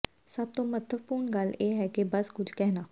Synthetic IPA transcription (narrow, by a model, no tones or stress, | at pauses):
səb̚t̪õːmət̪ʰəʋpuːɾɳɡəleːɦɛːkebəskʊd͡ʒkɛːɦnaː